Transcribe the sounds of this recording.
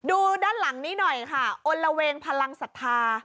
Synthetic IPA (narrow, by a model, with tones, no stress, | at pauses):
duː˧daː˥˩˨nla˩˦ŋniː˦˥˩nɔ˨˩jkʰa˥˩ʔo˧nɾa˧weː˧ŋpʰa˧la˧ŋsa˨˩t̪ʰːaː˧